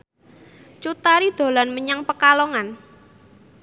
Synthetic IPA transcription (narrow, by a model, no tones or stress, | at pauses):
t͡ʃut̪aɾid̪̥o̤lanməɲaŋpəkalɔŋan